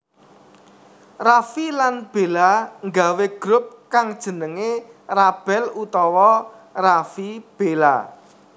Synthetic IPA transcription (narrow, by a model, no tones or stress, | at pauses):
rafilanb̥elaŋɡaweɡ̥ɾʊp̚kaŋd̥ʒ̥ə̤nəŋerab̥ɛlut̪ɔwɔ | rafib̥ela̰